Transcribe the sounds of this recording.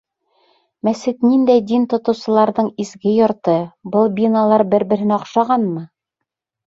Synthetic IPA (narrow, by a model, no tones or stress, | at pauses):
mæsɘt̪nind̪æjd̪int̪ŏt̪ɤ̆wsɤ̆lˠɑɾðɤɴizɡɘjŏɾt̪ɤbɤlˠbʲinalˠɑɾbɘɾbɘ̆ɾhɘnɑqʃɑʁɑnmɤ